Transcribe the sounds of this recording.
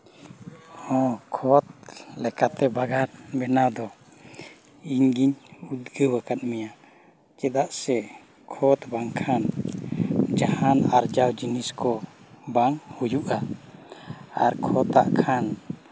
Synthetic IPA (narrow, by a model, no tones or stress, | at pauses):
hɔ̃kʰɔt̪̚lɛkat̪ɛbaɡaɾbɛnad̪ɔ | iɲɡiɲud̪ɡəwakat̪̚mɛja | kɛd̪aʔsɛ | kʰɔt̪baŋkʰan | d͡ʒahanaɾd͡ʒawd͡ʒiniskɔbaŋhujuʔa | aɾkʰɔt̪aʔkʰan